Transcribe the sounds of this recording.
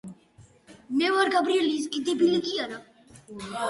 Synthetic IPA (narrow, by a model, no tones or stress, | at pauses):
mɛvaɾɡabɾiɛlis̬kʼid̪ibilikʼiaɾa